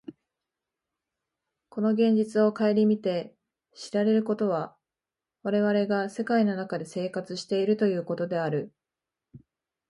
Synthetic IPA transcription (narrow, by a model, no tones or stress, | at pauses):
ko̞no̞ɡẽ̞ɲ̟d͡ʑit͡sɨo̞kae̞ɾʲimʲit̪e̞ | ɕiɾaɾe̞ɾɯ̟ko̞t̪o̞β̞a | βaɾe̞β̞aɾe̞ɡase̞kaino̞nakad̪e̞se̞ːkat͡sɨɕi̥t̪e̞iɾɯ̟t̪o̞jɯ̟ːko̞t̪o̞d̪e̞aɾɯ̟